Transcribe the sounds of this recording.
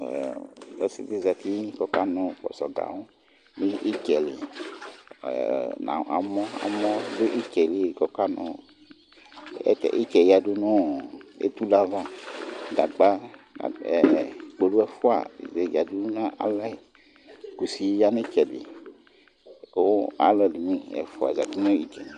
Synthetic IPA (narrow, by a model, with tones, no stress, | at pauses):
ɛ̰˦sḭ˦t̪i˦za˨t̪i˦kɔ˦ka˦nɔ̃˨k͡pɔ̰˨sɔ˨ɡa̰˨wu˦ | mi˦ʔi˦kɛ˨lḭ˨ | na̰˨a̰˨mɔ̃˦a̰˨mɔ̃˦dʊ˦ʔi˦kɛ˨le˨kɔ˨ka˦nɔ̰̃˨˦ | tɛ̰˨ʔi˦kɛ˨ja˨du˦nũ˦ḛ˦t̪u˦la˦va˦da˨ɡ͡ba˦a̰˨ | k͡po˨lu˦ɛ˦fo˦a̰˨ze˨ja˨du˦nũ˦nã˦ʔa̰˨lɛ˦˨ | ku˨si˨˦ja˦nẽ˦kɛ˨lḭ˨˦ | o˦a̰˦lɛ˨li˨mĩ˦ɛ̰˨fo˨a̰˨za˨di˦nɔ̃˦i˨kɛ˨nĩ˨